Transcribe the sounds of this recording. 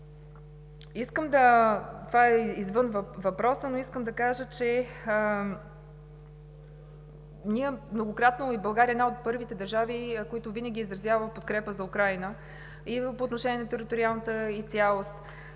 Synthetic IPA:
iskəmd̪ɐt̪ovaɛizvɤnvvɐpɾɔsənoiskəmd̪ɐkaʒət͡ʃɛ | niɛmnoɡokɾat̪noibɐlˠɡaɾiəɛd̪naot̪̚pɤɾvit̪ɛd̪ɐɾʒavikoit̪ʊvinəɡʲiːzɾɐzjavəpot̪kɾɛpəzɐukɾajnə | ipoːt̪noʃɛnʲiɛnɐt̪ɛɾit̪oɾialˠnət̪əit̪sʲjalˠost̪

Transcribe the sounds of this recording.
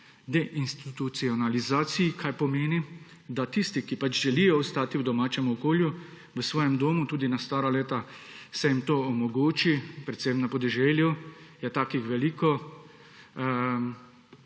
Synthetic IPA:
d̪ɛʔinst̪it̪ut̪siɔnalizaːt̪sijikʰajpɔmeːni | d̪at̪ist̪ikipat͡ʃʒɛlijɔɔst̪aːt̪iwd̪ɔmaːt͡ʃɛmuɔkoːlju | ʋəsʋɔːjɛmd̪oːmut̪uːd̪inast̪aːɾaleːt̪asɛjimt̪oːɔmɔɡoːt͡ʃipɾɛt̪semnapɔd̪ɛʒɛljujɛt̪aːkixʋɛliːkɔ

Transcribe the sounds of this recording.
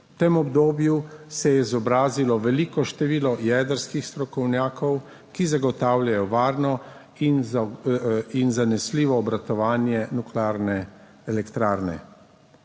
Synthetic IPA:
wt̪eːmɔbd̪oːbjusɛjɛizɔbɾaːzilɔʋɛliːkɔʃt̪ɛʋiːlɔjɛːd̪əɾskixst̪ɾɔkɔwnjaːkɔw | kizaɡɔt̪aːwlʲjajɔʋaːɾnɔ | in | inzanɛsliːʋɔːbɾat̪ɔʋaːnjɛnuklaɾnɛ | ɛlɛkt̪ɾaːɾnɛ̰

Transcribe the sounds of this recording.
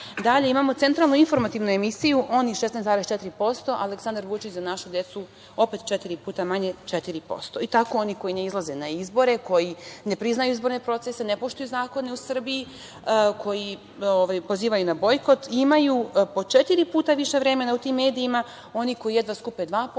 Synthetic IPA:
d̪aʎe̞imaːmo̞t̪e̞nt̪ɾalˠnuinfo̞ɾmat̪iʋnue̞misijuʔo̞niʃesnest̪aɾest͡ʃet̪iɾipo̞st̪o̞ʔaleksand̪aɾʋut͡ʃit͡ɕzanaʃud̪je̞t̪su | o̞pet̪t͡ʃet̪iɾipuːt̪amaɲe̞t͡ʃet̪iɾipo̞̰st̪o̞it̪ako̞o̞niko̞jine̞izlˠaze̞naizbo̞ɾe̞ko̞jine̞pɾiznajuizbo̞ɾne̞pɾo̞t̪sese̞nepo̞ʃt̪ujuzaːko̞ne̞usr̩biji | kʰo̞ji | oʋajpo̞ziːʋajunabo̞jko̞t̪imajupo̞t͡ʃet̪iɾipuːt̪aʋiʃe̞ʋɾe̞me̞naut̪imːe̞ːd̪iːma | o̞niko̞jije̞d̪ʋaskuped̪ʋaːp

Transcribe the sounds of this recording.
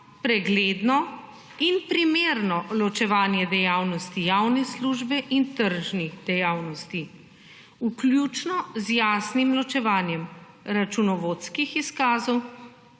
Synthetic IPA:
pɾɛɡleːd̪nɔ | inpɾimeːɾnɔlɔt͡ʃɛʋaːnjɛd̪ɛjaːwnɔst̪ijawnɛsluʒbɛʔint̪əɾʒnid̪̥ɛjaːwnɔst̪i | uklʲjut͡ʃnɔzjaːsnimlɔt͡ʃɛʋaːnjɛm | ɾat͡ʃunɔʋot̪skixiskaːzɔw

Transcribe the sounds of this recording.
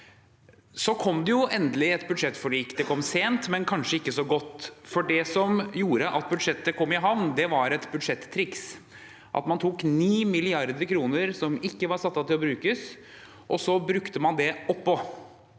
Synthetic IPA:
sɔkʰɔmd̪ɛjʊʔɛnd̪əlɪɛt̪bʉd̪ʂɛt̪ːfɔɭiːkd̪ɛkʰɔmːseːnt̪mɛnkʰɑnʂəɪkːəsɔɡɔt̪ːfɔɖɛsɔmjuːɾəʔɑt̪̚bʉd̪ʂɛt̪ːəkʰɔmːɪɦɑʋnd̪ɛʋɑɾɛt̪bʉd̪ʂɛt̪ʰːɾɪks | ʔɑ̰t̪mɑnt̪ʰuːkniːmɪlɪɑɾd̪əɾkʰɾuːnəɾsɔmɪkːəʋɑɾsɑt̪ːɑt̪ɪlɔbɾʉːkəs | ʔɔsɔbɾʉkt̪əmɑnd̪ɛɔpːɔ

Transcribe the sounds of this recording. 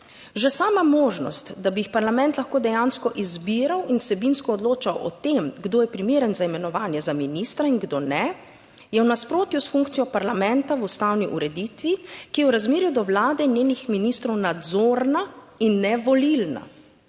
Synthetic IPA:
ʒɛsaːmamoːʒnɔ̰st̪d̪abijixpaɾlamɛnt̪laxkoːd̪ɛjaːnskɔʔizbiːɾawinsɛbinskɔːd̪loːt͡ʃawɔ̰t̪emɡd̪oːjɛpɾimeːɾənzaimɛnɔʋaːnjɛzaminist̪ɾaiŋɡd̪oːnɛ | jɛwnaspɾoːt̪jusfuŋkt̪sijɔpaɾlamɛ̃nt̪awust̪aːwniʔuɾɛd̪iːt̪ʋikijɛwɾazmeːɾjud̪ɔwlaːd̪ɛinjeːnixminiːst̪ɾɔwnad̪zoːɾna | inːɛʋɔlilna̰

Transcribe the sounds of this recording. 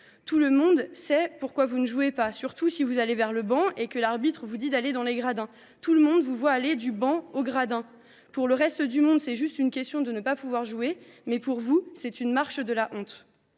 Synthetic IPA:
t̪uləmɔ̃d̪sɛpuʁkwavunəʒuepasyʁt̪usivuzalevɛʁləbɑ̃ekəlaʁbit̪χəvud̪id̪aled̪ɑ̃leɡʁad̪ɛ̃ | t̪uləmɔ̃d̪vuvwaːled̪ybɑ̃oɡʁad̪ɛ̃ | puʁləʁɛst̪əd̪ymɔ̃d̪sɛʒyst̪ynkʲɛst̪jɔ̃d̪ənəpapuvwaʁʒue | mɛpuʁvusɛt̪ynmaʁʃd̪əlaʔɔ̃t̪

